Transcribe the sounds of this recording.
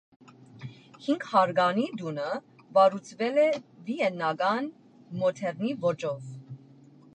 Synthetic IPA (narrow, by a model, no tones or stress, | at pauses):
hiŋɡhɑɾɡɑnid̪unə | vɑɾut͡sʰvɛlɛviɛnːɑɡɑn | mɔt̪ʰɛɾnivɔt͡ʃɔv